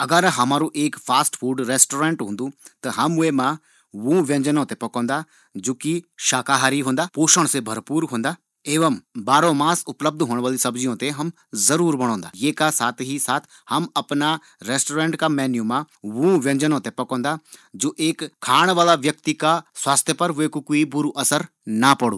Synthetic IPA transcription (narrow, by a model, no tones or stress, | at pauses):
ɐɡəɾɦɐmaːɾũːʔeːkpʰaːsʈfʰuːɖɾeːsʈoːɾẽːɳʈɦʊ̃ːnd̪ut̪ɐɦɐmʊemã | ʋũːʋẽɲd͡ʒənõːt̪epɐkɔ̃ːnd̪aː | d͡ʒoːkiʃaːkaɦaːɾiɦõːnd̪aːpoːʃəɽ̃sebʱɐɾpuːɾɦõːnd̪aː | eːʋəmbaːɾõmaːsʊpləb̚d̪ɦoːɳ̃ʋaːlisɐbzijõːt̪eɦɐm | zɐɾuːɾbɐɽ̃õːnd̪a̰ːjeːkasaːt̪ʰɦisaːt̪ʰ | hɐmɐpna | ɾeːsʈoːɾẽːɳʈkamɛːnjumãː | ʋũːʋjɐ̃ɲd͡ʒənõt̪epɐkɔ̃ːnd̪aːd͡ʒoːʔeːkkʰːaːɽ̃ʋaːlaʋjɐkt̪ikaswaːst̪ʰjəpɐɾʊekukoːibʊɾuʔɐsəɾ | napɐɽṵ̃ː